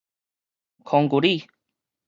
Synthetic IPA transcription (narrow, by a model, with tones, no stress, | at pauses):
kʰɔ˨ŋɡu˨ɾi˥˨